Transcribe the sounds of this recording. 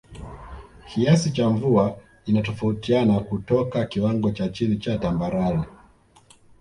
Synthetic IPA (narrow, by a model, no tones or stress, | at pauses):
kʰiasit͡ʃaɱvua | inatɔfautianakutɔkakiwaŋɡɔt͡ʃat͡ʃinit͡ʃatambaɾani